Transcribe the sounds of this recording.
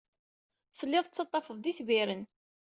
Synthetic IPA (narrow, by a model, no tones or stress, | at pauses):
θəlːɪðˤt͡sːɑt̪ˤːɑfəðˤd̪iθviɾən